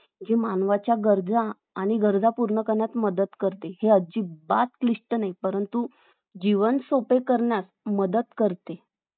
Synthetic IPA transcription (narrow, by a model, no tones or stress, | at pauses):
d͡ʑimanʋat͡ɕjaɡəɾd͡zaː | ɽ̃iɡəɾd͡zapuɾɳəkəɾɳjat̪məd̪ət̪kəɾt̪eheəd͡ʑiːbat̪kliʂʈənajpəɾənt̪u | d͡ʑiʋənsopekəɾɳjas | məd̪ət̪kəɾt̪e